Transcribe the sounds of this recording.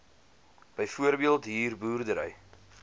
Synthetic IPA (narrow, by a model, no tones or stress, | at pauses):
b̥əjfuərbiəlˠtɦiːrbuːrdəɾə̰j